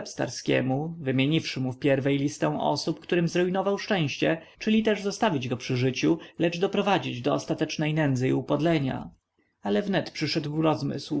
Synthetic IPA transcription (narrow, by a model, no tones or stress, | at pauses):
ɛpst̪a̰ɾskʲɛ̰muvɘmʲjeɲifʂɘmufpʲjɛɾvɛjlʲist̪ɛ̃ʔɔ̰supkt̪uɾɘmzɾɛjnɔvawʂt͡ʂɛ̃w̃ɕt͡ɕɛ | t͡ʂɘlʲit̪ɛʐzɔst̪avʲid͡ʑɡɔpʂɘʐɘt͡ɕulɛd͡ʐd̪ɔpɾɔvad͡ʑid͡ʑd̪ɔɔst̪at̪ɛt͡ʂnɛjnɛnd̪zɘiupɔd̪lɛɲa̰ | alɛvnɛt̪pʂɘʂɛd̪wɾɔzmɘ̰sw